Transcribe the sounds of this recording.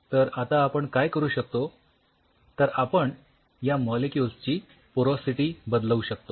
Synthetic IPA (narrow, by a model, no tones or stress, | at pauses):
t̪əɾat̪aːpəɳkajkəɾuːɕək̚t̪o | t̪əɾapəɳ | jamɔlekjulst͡ɕiː | poɾɔsiʈiːbəd̪ləuɕək̚t̪o